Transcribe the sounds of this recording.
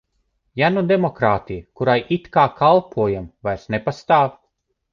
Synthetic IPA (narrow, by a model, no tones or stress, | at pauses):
janud̪emɔkɾaːt̪ijkuɾajʔit̪kaːkalˠpʰuɔjamvajɾsnepast̪aːv